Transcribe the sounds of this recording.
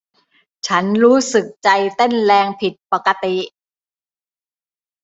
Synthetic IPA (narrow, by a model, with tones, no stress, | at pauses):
t͡ɕʰa˦˥nɾuː˦˥sɯ˨˩k̚t͡ɕa˧jt̪e˥˩nlɛː˧ŋpʰi˨˩t̪̚pa˨˩ka˧t̪i˨˩ʔ